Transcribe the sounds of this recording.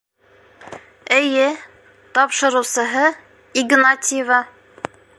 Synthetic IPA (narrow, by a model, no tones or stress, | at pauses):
ɘ̆jɘ | t̪ɒpʃɤ̆ɾɤ̆wsɤ̆ɦɤ | iɡnat̪ʲɪjvɑ